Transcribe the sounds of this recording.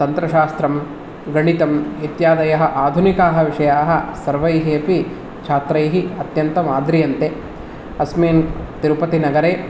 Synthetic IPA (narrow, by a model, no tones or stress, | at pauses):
t̪ɐnt̪ɾɐʃaːst̪ɾɐm | ɡɐɳit̪ɐmit̪jaːd̪ɐjɐɦɐʔaːd̪ʱunikaːɦɐ̆ʋiʂɐjaːɦɐ̆sɐɾʋɐjɦeːpi | t͡ʃʰaːt̪ɾɐjɦiɐt̪jɐnt̪ɐmaːd̪ɾijɐnt̪e | ɐsmeːnt̪iɾupɐt̪inɐɡɐɾeː